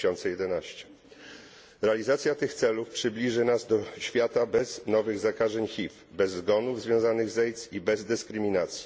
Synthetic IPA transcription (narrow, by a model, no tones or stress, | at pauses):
ɔnt̪sɛjɛd̪ɛnaɕt͡ɕɛ̥ | ɾɛalʲizat̪sʲjat̪ɘxt̪sɛlufpʂɘblʲiʐɘnazd̪ɔɕfʲjat̪abɛznɔvɘɣzakaʐɛɲxʲif | bɛzːɡɔnuvzvʲjɔ̃w̃zanɘɣzɛjt̪sibɛzd̪ɛskɾɘmʲinat̪sʲji̥